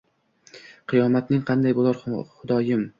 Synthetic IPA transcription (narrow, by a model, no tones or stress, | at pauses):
qʰɨjɒmat̪nɪŋqʰɑnd̪ajbolˠaɾχʊd̪ɒjɪm